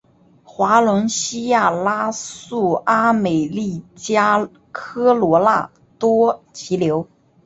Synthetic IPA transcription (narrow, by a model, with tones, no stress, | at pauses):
xwa˧˥lə˧˥nɕi˥ja˥˩la˥su˥˩a˥me˨˩ɪli˥˩t͡ɕja˥ | kʰɤ˥lwɔ˧˥la̰˥˩ | t̪wɔ˥t͡ɕʰi˧˥ljo˧˥ʊ